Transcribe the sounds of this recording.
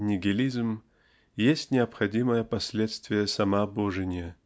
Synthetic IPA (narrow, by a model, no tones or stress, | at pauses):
nʲɪɡʲɪlʲizm | jesʲtʲnʲɪɐpxɐdʲiməjəpɐsʲlʲet̪st̪vʲɪjəsɐmaboʐɨnʲɪjə